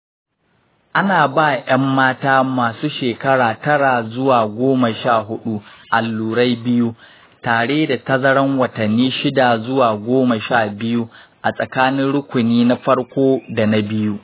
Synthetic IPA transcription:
ʔa˦naː˨baː˦˨jɐ˦mːaː˦taː˦maː˨suː˦ʃeː˨kɐ˦ɽaː˨tɐ˦ɽaː˨zʊ˦waː˨ɡʷoː˦mɐ˨ʃaː˦˨ɦʊ˦ɗu˦ʔa˨lːuː˨ɽa˦jbɪ˦ju˦ | taː˨ɽeː˦da˨tɐ˦zɐ˦ɽɐ˦ŋwɐ˨tɐ˨nːiː˦ʃɪ˦da˨zʊ˦waː˨ɡʷoː˦mɐ˨ʃaː˦˨bɪ˦ju˦ʔa˨sʼɐ˨kaː˦nɪ˦nɽʊ˦kʷʊ˨niː˦na˦ɸɐ˦ɽkʷoː˦da˨na˦bɪ˦ju˦ʔ

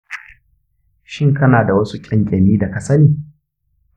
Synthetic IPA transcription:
ʃɪ˦˨ŋkɐ˦naː˨da˨wɐ˦su˦kʲʼɪ˦ŋkʲʼɛ˨miː˦da˨ka˨sɐ˦niː˨

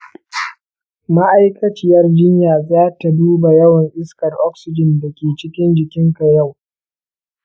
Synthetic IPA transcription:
ma˦ʔa˦jkɐ˦t͡ʃɪ˦jɐ˦rd͡ʒɪ˦ɲjaː˨zaː˦ta˨duː˦ba˨jɐ˦wɐ˨ŋʔɪ˦skɐ˨rʔɔ˦ksɪ˦d͡ʒɪ˨nda˨kʲeː˨t͡ʃɪ˦kʲɪ˦nd͡ʒɪ˨kʲɪ˦ŋka˨ja˦˨w

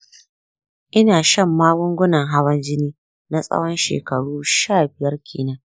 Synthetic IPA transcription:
ʔɪ˦naː˨ʃɐ˦˨mːaː˦ɡʊ˦ŋɡʷʊ˦nɐ˨ŋɦa˦wɐ˦nd͡ʒɪ˦niː˦ | na˦sʼɐ̰˦wɔ˦nʃḛː˨kɐ˨ɽuː˦ʃaː˦˨bɪ˨jɐ˦rkʲʰḛː˨na˦

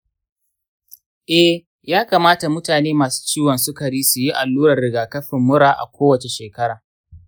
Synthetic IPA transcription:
ʔɛ˦h | jaː˦kaː˨maː˦ta˨mʊ˦taː˨neː˦maː˨su̥˦t͡ʃiː˦wɐ˨nsʊ˦kɐ˨ɽiː˦su˨ji˦ʔa˨lːuː˦ɾɐ˨rɾɪ˨ɡaː˨kɐ˦ɸɪ˨mːʊ˦ɽaː˨ʔa̰˨kʷʰoː˦wɐ˨t͡ʃe˨ʃeː˨kɐ˦ɽaː˨

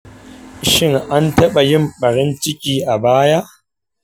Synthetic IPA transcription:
ʃɪ˦ŋʔa˦ntɐ˦ɓa˨jɪ˦mɓɐ˨ɽɪ˦nt͡ʃɪ˦kʲʼiː˨ʔa˨baː˦ja˦ʔ

